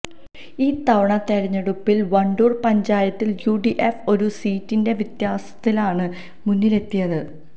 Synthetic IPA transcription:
iːt̪ɐʋɐɳɐt̪ɐɾɐɲːɐɽupːilʋɐɳɖuːrpɐɲd͡ʑaːjɐt̪ːiljuːɖiʔefo̞ɾusiːtːinde̞ʋit̪jaːsɐ̥t̪ːilaːɳɨ | munːile̞t̪ːijɐðɨ

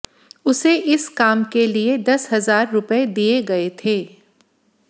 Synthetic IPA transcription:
ʊseʔɪskaːmkelied̪ɐsɦɐzaːɾːʊpəed̪ieɡɐet̪ʰeː

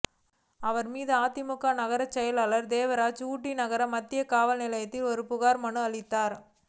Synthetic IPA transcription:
ɐʋɐɾmiːðɯaːt̪ːɪmʊkːaːnɐɣɐɾɐt͡ʃːɛjɐlaːlɐɾd̪eːʋɐɾaːt͡ʃuːʈːinɐɣɐɾɐmːɐt̪ːɪjɐkaːʋɐlnɪlɐjɐt̪ːɪlɔɾɯpʊɣaːɾmɐɳɯɐɭɪt̪ːaːɾ

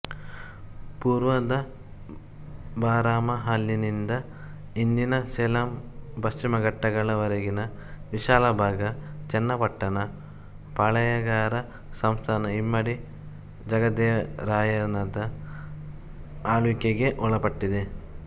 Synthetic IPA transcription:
puːɾʋɐd̪ɐ | baːɾaːmɐɦaːljinind̪ɐ | ind̪inɐselampɐst͡ʃimɐɡɐʈːɐɡɐɭɐʋɐɾeɡinɐʋiʃaːlɐbʱaːɡɐt͡ʃɛnːɐpɐʈːɐnɐ | pɐɭɐjɐɡaːɾɐ | sɐmst̪ʰaːnɐimːɐɽi | d͡ʒɐɡɐd̪eɾaːjɐnɐd̪ɐ | aːlukeɡeʔɔɭɐpɐʈːid̪e

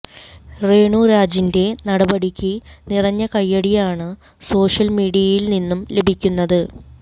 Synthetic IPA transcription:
re̞ːɳuːɾaːd͡ʑinde̞nɐɽɐbɐɽikʲːɨnirɐɲːɐkɐjːɐɽijaːɳɨ | so̞ːʂɐlmiːɽijɐjilninːumle̞bʱikʲːunːɐðɨ

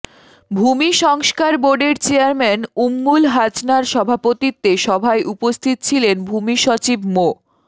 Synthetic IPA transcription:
bʱumiʃɔŋskaɾboɾɖeɾt͡ɕeaɾmɛnumːulɦat͡ɕnaɾʃɔbʱapot̪it̪ːeʃɔbʱaeʔupost̪ʰit̪t͡ɕʰilenbʱumiʃot͡ɕibmo

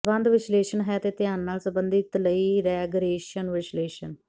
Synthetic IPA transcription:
bə̃nd̪ʋɪʃleːʃənɦɛt̪eːt̪ɪjaːnːaːlsəbənd̪ɪt̪ləiːɾɛɡəɾeːʃənʋɪʃleːʃən

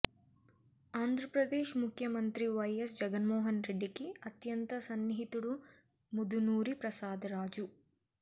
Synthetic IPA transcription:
aːnd̪ʱɾɐpɾɐd̪eːʃmukʰjɐmɐnt̪ɾiʋɐjesd͡ʒɐɡɐnmoːɦɐnɾeɖːikiɐt̪jɐnt̪ɐsɐnːiɦit̪uɽu | mud̪unuːɾipɾɐsaːd̪ɐɾaːd͡ʒu

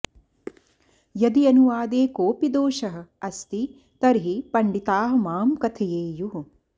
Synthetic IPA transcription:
jɐd̪iɐnuʋaːd̪eːkoːpid̪oːʃɐɦɐ̆ɐst̪i | t̪ɐɾɦipɐɳɖit̪aːɦɐ̆maːmkɐt̪ʰɐjeːjuɦu

